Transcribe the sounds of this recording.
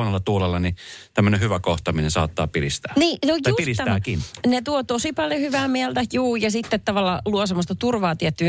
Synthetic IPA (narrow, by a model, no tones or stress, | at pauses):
onelːɑt̪uːlelːɑnit̪æmːønehyʋækoht̪ɑminensɑ̰ːt̪ːɑ̰ːpilist̪æ̥ːniːnojuilist̪tæːkinnet̪uot̪osipɑljohyʋæːmiælt̪æjuːjɑsit̪ːet̪t̪ɑʋɑlːɑluɔsemːost̪ɑt̪urʋɑːt̪iɛt̪ːy